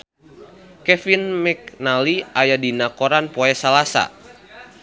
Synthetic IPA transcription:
kɛfinmɛk̚naliʔajadinakoɾanpoɛsalasa̰

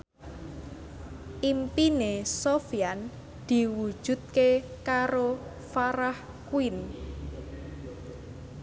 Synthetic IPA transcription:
ʔimpinesofian | d̪̥i̤wud̥ʒ̥ṳt̪̚kekaɾo | faɾah | kuin

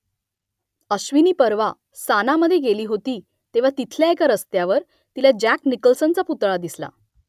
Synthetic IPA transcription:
əɕʋiniːpəɾʋa | sanaməd̪ʱːjeɡeliːɦot̪iː | t̪eʋ̤at̪it̪ʰljaekaɾəst̪jaʋəɾ | t̪ilad͡ʑæknikəlsənt͡saput̪ɭad̪isla̰

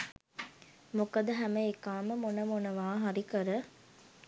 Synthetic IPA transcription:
mukɐd̪əɦæməekaːməmonəmonɐʋaːɦaɾikəɾə

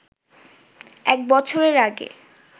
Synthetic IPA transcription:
ɛk̚bɔt͡ɕʰoɾeɾaɡḛ

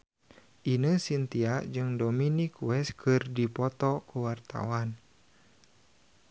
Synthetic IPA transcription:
ʔinəsint̪iaʔd͡ʒɨŋdominikwɛskʰɨrdipɔt̪ɔkuwart̪a̰wan

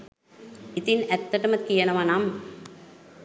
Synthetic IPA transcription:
it̪inæt̪ːəʈəməkijənəʋanam

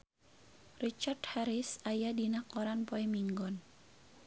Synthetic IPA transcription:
rit͡ʃarthaɾɪsajadinakɔɾanpoɛmiŋɡɔn

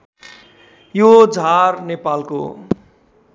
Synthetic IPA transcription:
jod͡zʱarnepalko̰

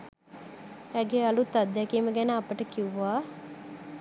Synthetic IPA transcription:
æɡealut̪ːad̪ːɛkiːməɡænəɐpəʈəkiuʋaː

